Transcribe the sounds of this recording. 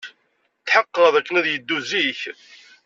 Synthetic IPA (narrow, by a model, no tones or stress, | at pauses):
t͡s̪ːħəqːəðˤækːənæðjəd̪ːuziç